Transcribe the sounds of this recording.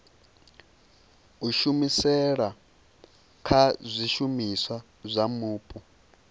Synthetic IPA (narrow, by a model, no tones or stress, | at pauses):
uʃumisɛɺa | kʰazʷiʃumiswa | zʷamuːpʼu